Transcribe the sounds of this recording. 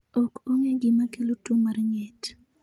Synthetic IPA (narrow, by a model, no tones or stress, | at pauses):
ɔkoŋeɡɪmakelotomarŋɛt